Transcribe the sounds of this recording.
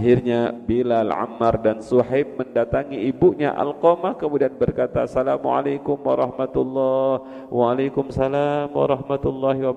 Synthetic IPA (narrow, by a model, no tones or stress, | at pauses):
ɦirɲabilalʕa̰mːardansuɦap̚məndat̪aŋiibuʔɲa̰ʔa̰lqomahkəmudianbərkat̪a̰salamṵʕa̰lakʊmwaɾˤɑhmat̪ulːɑh | wʔaːlakʊmsalamwa̰ɾɑhmat̪ulːɑɦiwa